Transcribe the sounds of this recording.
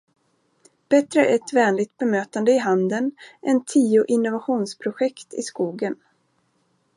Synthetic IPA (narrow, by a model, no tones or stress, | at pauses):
b̥ɛt̪ɾəɛt̪vɛːnlɪɡ̚t̪̚bɛmøːt̪and̪əɪɦand̪ənʔɛnt̪ʰiːʊʔɪnːʊvaɧuːnspʰɾʊɧɛkt̪ɪ̰skuːɡən